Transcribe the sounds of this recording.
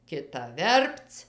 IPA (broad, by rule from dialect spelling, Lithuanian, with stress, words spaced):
kʲɪˈtɐ ˈʋʲɛrpt͡s